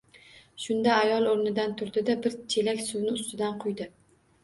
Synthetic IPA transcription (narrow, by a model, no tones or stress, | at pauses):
ʃʊnd̪aːjɒlˠoɾnɪd̪ant̪ʰʊɾd̪ɪd̪abɪɾt͡ʃʰe̞lakʲsʊwnɪʊst̪ɪd̪anqʰʊjd̪ɪ